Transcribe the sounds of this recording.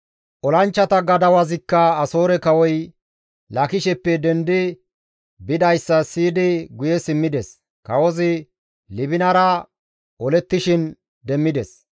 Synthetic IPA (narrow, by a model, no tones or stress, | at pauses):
ʔɔlɐnt͡ʃːɐt̪ɐɡɐd̪ɐwɐzɪkːɐɐso̞ːɾɛkɐwɔj | lɐkɪʃɛpːɛd̪ɛnd̪ɪ | bɪd̪ɐjsːɐsiːd̪ɪɡʊjɛsɪmːɪd̪ɛs | kɐwɔzɪ | lɪbɪnɐɾɐ | ʔɔlɛt̪ːɪʃɪn | d̪ɛmːɪd̪ɛs